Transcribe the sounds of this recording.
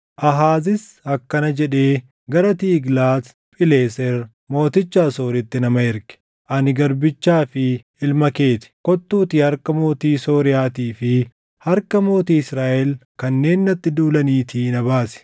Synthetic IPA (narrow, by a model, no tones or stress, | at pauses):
ʔɐɦaːzɪsɐkːɐnɐd͡ʒɛᶑe̞ː | ɡɐɾɐt̪iːɡlaːt̪ | pʼɪle̞ːsɛɾ | mo̞ːt̪ɪt͡ʃːaːso̞ːɾɪt̪ːɪnɐmɐɪɾkɛ̥ | ʔɐnɪɡɐɾbɪt͡ʃːaːfɪ | ɪlmɐke̞ːt̪ɪ̥kɔt̪ːuːt̪iːhɐɾkɐmo̞ːt̪iːso̞ːɾɪjaːt̪iːfɪ | hɐɾkɐmo̞ːt̪iːɪsɾaːʔɛlkɐnːe̞ːnːɐt̪ːɪd̪uːlɐniːt̪ʰiːnɐbaːsɪ̥